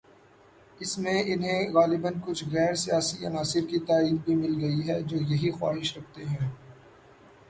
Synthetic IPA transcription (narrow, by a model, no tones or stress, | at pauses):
ɪsmẽʔɪnɦẽɣaːlɪbənkʊt͡ʃʰɣɛːɾsijaːsiɐnaːsɪɾkit̪aːiːd̪bʱimɪlɡɐiɦɛd͡ʒoːjɐɦixwa̰ːɦɪʃɾɐk̚ʰt̪eɦɛ̃ː